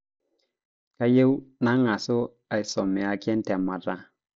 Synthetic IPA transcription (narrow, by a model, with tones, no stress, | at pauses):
ka˦je˦wna˦ŋa˨so˦ | a˨i˨sɔ˨mi˨a˨ki˦ɛ˦n˦tɛ˨ma˨ta˦